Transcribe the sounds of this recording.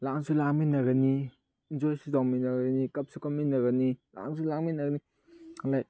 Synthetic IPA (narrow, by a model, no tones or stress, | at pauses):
laŋsʰulaŋminɐɡɐni | ind͡ʒojsuzawminɐɡɐnikɐp̚sʰukɐmːinɐɡɐnila̰ŋsʰulaŋminɐɡɐni | alaj